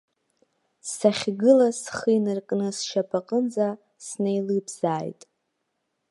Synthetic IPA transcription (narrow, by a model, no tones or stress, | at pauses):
saχʲɡɨlasχɨjnɨrkʼnɨsʃapʰaqʼənd͡za | snejlɨbz̥aːjtʼ